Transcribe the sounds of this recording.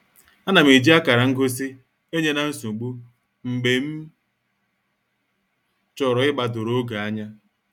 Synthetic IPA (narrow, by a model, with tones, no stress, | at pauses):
a˦na˨m̩i˨d͡ʒi˦a˦ka˨ɾa˨ŋ̩˦ɡo˦s̬i˦ | e˦ɲe˦na˨n̩˦su˨ɡ͡bu˦ | ŋ͡m̩˨ɡ͡be˨m̩˦ | t͡ʃɔ˨ɾɔ˨ɪ˦ɡ͡ba˨dʊ˨ɾo˦ɡa˨a˦ɲa˦